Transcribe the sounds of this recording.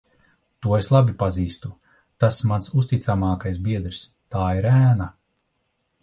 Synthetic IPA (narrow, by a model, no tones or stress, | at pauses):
t̪uɔeslˠabipaziːst̪u | t̪asmansust̪it̪samaːkajsbiɛd̪ɾs | t̪aːiɾæːna